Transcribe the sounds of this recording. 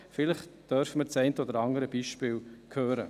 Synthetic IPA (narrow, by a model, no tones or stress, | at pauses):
fɪləχd̪̥œɾfəməɾt͡sɛɪntəɔd̪əɾɑŋdəɾəb̥iːʃpɪːlkʰhøːɾə